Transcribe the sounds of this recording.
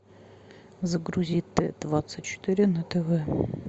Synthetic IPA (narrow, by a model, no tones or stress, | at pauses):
zəɡɾuzʲit̪ːɛ̰d̪̥vat̪sɨtʲt͡ɕːɪ̥t̪ɨɾʲɪnɐt̪ɛvɛ